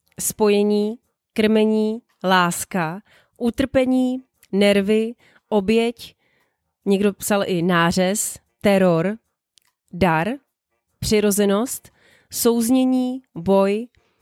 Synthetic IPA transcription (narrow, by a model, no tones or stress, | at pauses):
spo̞jɛɲiː | kr̩mɛɲiː | laːska | ʔut̪r̩pɛɲiː | nɛɾvɪ | ʔo̞bjɛc | ɲɛɡdo̞psalʔɪnaːrɛs | t̪ɛɾo̞ɾ | daɾ | pr̝̥ɪɾo̞zɛno̞st̪ | so̞wzɲɛɲiːbo̞j